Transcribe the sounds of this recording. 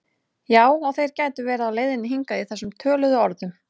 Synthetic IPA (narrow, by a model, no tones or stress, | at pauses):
jaːwɔθejɾ̥caːjt̪ʏvɛːɾaaleːjðɪnːɪɦiŋkaiθɛsːʏmt̪ʰœːlʏðʏɔɾðʏm